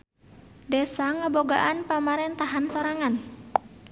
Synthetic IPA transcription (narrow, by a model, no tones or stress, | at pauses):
desaŋəboɡa̰ʔanpamaɾɛnt̪aɦansoɾaŋan